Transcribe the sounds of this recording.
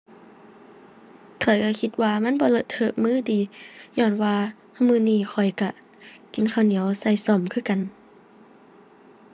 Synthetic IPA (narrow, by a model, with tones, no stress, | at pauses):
kʰɔ˨˩jka˧˩kʰi˧˦t̪̚waː˧ma˧˥˨nbɔː˧˦lɤ˧t̪ʰːɤ˧˨mɯː˧˥˨diː˨˦ɲɔː˧˩˨nwaː˧ | mɯː˧˥˨niː˧˨kʰɔ˨˩jka˧˩ | ki˨nkʰa˧˩wni˨˦əwsa˧˩jsɔ˧˩˨mkʰɯː˧˨ka˨n